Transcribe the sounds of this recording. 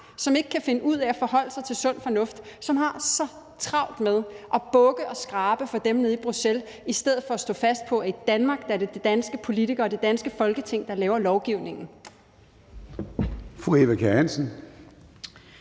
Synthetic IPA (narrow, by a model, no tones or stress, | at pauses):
sɒ̽me̝ɡ̥əkʰæfe̝nəʔuð̞̰ˠɛæfɒ̽hɒ̽l̰əsɑ̈ɪt͡sʰe̝lsɔ̽n̰fɒ̽nɔ̽fd̥sɒ̽mhɑ̈sɒ̽ | t͡sʰʁɑ̈ʊ̰d̥meðˠʔɒ̽b̥ɔ̽ɡ̥əʔɒ̽sɡ̥ʁɑ̈ːb̥əfɒ̽d̥emneðˠib̥ʁusel | isd̥eð̰̩ˠfɒ̽æsd̥ɔ̰̽ːfæsd̥̚pʰɒ̽id̥ænmɑ̈ːɡ̥̚d̥ɑæɐded̥ed̥ænsɡ̥əpʰo̝lit͡sʰiɡ̥ɐːd̥e̝d̥ænsɡ̥əfɒ̽lɡ̥ət͡sʰe̝ŋ̰d̥ɑ̈lɛːʊɐlɒʊɡ̥iʊne̝ŋn̩ | fʁueʋækʰæhænsən̩